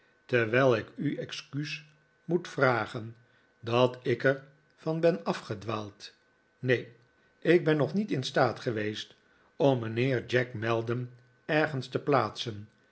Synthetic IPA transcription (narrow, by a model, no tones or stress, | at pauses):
təɹʋɛjlˠɪkyɛkskys | mutfraːχən | dɑtɪkəɹ | vɑnbɛnɑfχədʋaːlˠt | nej | ʔɪɡ̚bɛnːɔχnitɪnstaːtχəʋejst | ɔmːənɪːɹd͡ʒɛkmɛlˠdəm | ɛɹχənstəplaːtsən